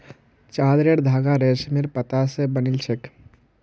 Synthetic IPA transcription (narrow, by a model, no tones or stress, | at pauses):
t͡ʃaːd̪ɾeɽd̪ʱaːɡaɾesmeɾpət̪asebənilt͡ʃʰek